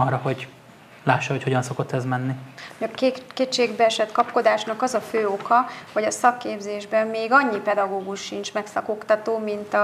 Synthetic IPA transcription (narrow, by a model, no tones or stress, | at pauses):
ɒrːɒɦo̞ɟ | laːʃːɒɦo̞cho̞ɟɒnso̞ko̞t̪ːɛzmɛnːikekeːt͡ʃːeːɡbɛɛʃɛt̪kɒpko̞d̪aːʃnɒkɒzɒføːokɒhoɟɒsɒkːeːbzeːʒbɛmːeːɡɒɲːipɛd̪ɒɡoːɡuʃːint͡ʃmɛksɒkokt̪ɒt̪oːmint̪ɒ